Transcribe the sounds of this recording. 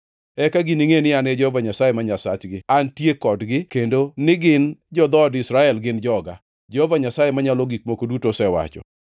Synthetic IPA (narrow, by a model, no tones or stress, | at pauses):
ɛkaɡiniŋenɪanɛd͡ʒehovaɲasajemaɲasat͡ʃɡɪantjekɔdɡɪkendonɪɡɪnd͡ʒɔd̪ɔdɪsɾaɛlɡɪnd͡ʒɔɡa̰ | d͡ʒehovaɲasajemaɲalɔɡik̚mokodutosɛwa̰t͡ʃɔ̰